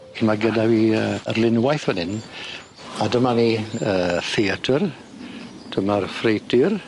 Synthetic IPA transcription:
kʰɪmaɡədaviəərlˠɪnwajθwənɪn | adəmaniəːθiatʰər | d̥əmarfrejtʰɪr

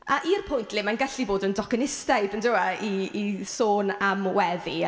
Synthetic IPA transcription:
aʔirpʰʊjntʰlɪmanɡaɬiboːdəndɔkənɪstajdəndɪwaiːsoːnamwɛði

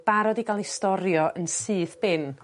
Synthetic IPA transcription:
b̥aɾɔdiɡalˠistɔɾjɔənsɨːθb̥ɪn

